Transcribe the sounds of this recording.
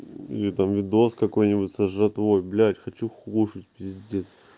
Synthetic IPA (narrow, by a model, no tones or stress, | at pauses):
ḭlʲɪt̪amvʲɪd̪o̞skɐko̞jnʲɪbʊtʲsəʐːɐt̪vo̞jblʲæt̪ʲxɐt͡ɕuxluʂɨtʲpʲɪzʲzʲdʲet̪s